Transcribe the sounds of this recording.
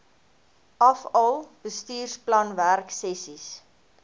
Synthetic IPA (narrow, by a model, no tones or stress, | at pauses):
ʔɐfɔlˠb̥əstiːrsplɐnværksɛsis